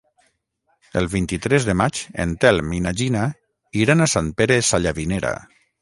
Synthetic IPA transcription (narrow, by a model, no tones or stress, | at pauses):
əlˠβint̪it̪ɾɛzðemat͡ʃḛnt̪ɛlminaʒina | iɾanasanpeɾesaʎaβineɾa̰